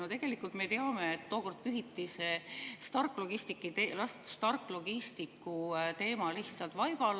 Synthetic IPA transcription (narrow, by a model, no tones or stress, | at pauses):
ot̪e̞ɡ̥e̞likult̪me̞t̪e̞ɑme̞et̪ːo̞ːko̞rd̪̥̚pyɦit̪ːise̞st̪ɑrkˑlo̞ɡ̥ist̪ikːˑit̪elɑst̪st̪ɑrkːˑlo̞ɡ̥ist̪ikːˑut̪e̞ːmɑliht̪sɑlt̪vɑjb̥ɑl